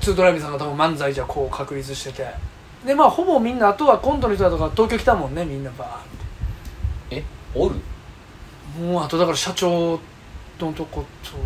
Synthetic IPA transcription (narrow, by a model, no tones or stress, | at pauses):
t͡sɨːd̪o̞ɾaimʲĩs̬ãŋɡat̪ʰabɯ̟̃mːãnd͡zaid͡ʑakʰo̞ːkʰakɯ̟ɾʲit͡sɨɕi̥t̪e̞t̪e̞ | d̪e̞maːho̞bo̞mʲĩnːaːt̪o̞βakõnd̪onoçit̪oat̪okat̪o̞ːkʲokʲi̥t̪amõ̞nːe̞mʲĩnːabat̪ːe̥ | eoɾɯ̟̰ | moːat̪o̞d̪akaɾaɕat͡ɕo̞ː | not̪oko̞t̪ʰo